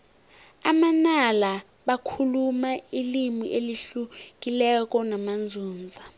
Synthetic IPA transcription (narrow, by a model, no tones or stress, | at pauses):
amanala | ɓakʰulumailimḭʔeliɬuk̬ʼilɛk̬ʼɔnamand͡zʱuːnd͡zʱa